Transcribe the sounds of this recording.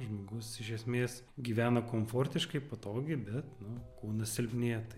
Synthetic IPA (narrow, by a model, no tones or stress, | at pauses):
ʒmoːɡʊsɪʃʲɛsʲmʲeːs | ɡʲiːʋʲæːnɐkoːmfoːrʲt̪ʲɪʃkɐɪpoːt̪oːɡʲɪbʲɛt̪nʊkuːnɐsʲɪlʲbʲnʲeːt̪ɐ